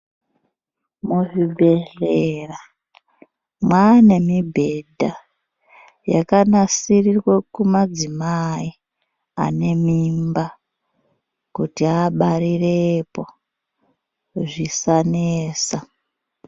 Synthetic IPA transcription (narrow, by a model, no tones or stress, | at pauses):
muʐibʱeɮera | mwane̞mibʱe̞dʱa | jakanasirirwekumad͡zimai | a̰ne̞mimba | kutiaɓaɾirepo̞ | ʐisaneːsa